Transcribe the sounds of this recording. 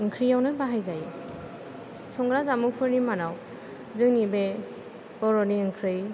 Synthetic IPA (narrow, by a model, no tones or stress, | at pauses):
ɯŋkʰɾijawnɯbaɦajzaji | sɔŋɡɾazamupʰɯɾnimanaw | zɯŋnibe | b̥ɔɾɔniɯŋkʰɾɯj